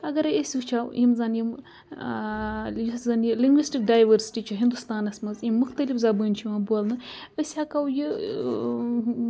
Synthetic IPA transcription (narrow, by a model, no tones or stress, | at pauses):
ɐɡɐɾesʲut͡ʃʰawimzɐnjim | jiszɐnjiliŋɡʋisʈik̚ɖaːjʋɐɾsi̥ʈit͡ʃʰɐɦind̪ust̪aːnɐsmɐzimːuxt̪ɐlifzabɨnʲt͡ʃʰiʋãːbuɐlnɨəsʲhakɐwjɨ